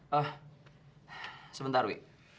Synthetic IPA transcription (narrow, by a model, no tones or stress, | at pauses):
əh | səbənt̪aɾwi